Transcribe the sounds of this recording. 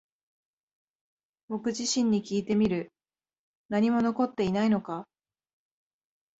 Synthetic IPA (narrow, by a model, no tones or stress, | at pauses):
bo̞kɯ̟ʑiɕĩɲ̟ːikʲiːt̪e̞mʲiɾɯ̟ | naɲ̟imo̞no̞ko̞t̪ːe̞inaino̞ka